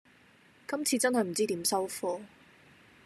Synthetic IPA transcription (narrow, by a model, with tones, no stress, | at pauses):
kɐ˥mt͡sʰiː˧t͡sɐ˥nɦɐ˨jm̩˨˩t͡siː˥t̪iː˨˥msɐ˥wfɔː˧